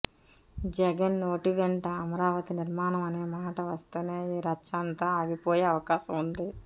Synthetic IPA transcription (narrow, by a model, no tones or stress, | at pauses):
d͡ʒɛɡɐnːoːʈiʋeɳʈɐːmɐɾaːʋɐt̪iniɾmaːnɐmɐne̞ːmaːʈɐʋɐst̪eneːiːɾɐt͡ʃaːnt̪ɐaːɡipoːjeɐʋɐkaːʃɐmund̪i